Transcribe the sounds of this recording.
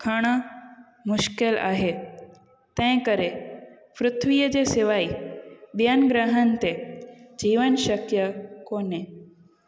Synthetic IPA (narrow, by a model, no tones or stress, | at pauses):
kʰəɽ̃ə | mʊʃkela̰ːɦe | t̪ɛ̃ɪ̃kəɾe | fɾʊt̪ʰʋijəd͡ʑeseʋaibjanɡɾəɦənt̪ed͡ʑiːʋənʃəkjəkoːne